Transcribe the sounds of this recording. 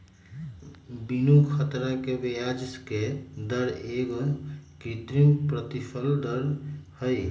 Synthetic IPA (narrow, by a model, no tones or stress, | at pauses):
binukʰət̪ɾakebejaːd͡ʒsked̪əɾeːɡɔkit̪ɾimpɾət̪ipʰəld̪əɾhəj